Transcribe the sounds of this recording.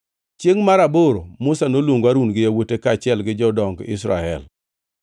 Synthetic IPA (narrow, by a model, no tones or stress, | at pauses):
t͡ʃjeŋmaɾaboɾomʊsanolwoŋɡwaɾunɡɪjawotekaːt͡ʃɪɛlɡɪd͡ʒɔdɔŋɡɪ̰sɾa̰ɛ̰l